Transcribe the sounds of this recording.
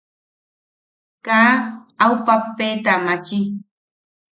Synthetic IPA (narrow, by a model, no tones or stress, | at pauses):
kaːawpapːeːt̪amat͡ʃi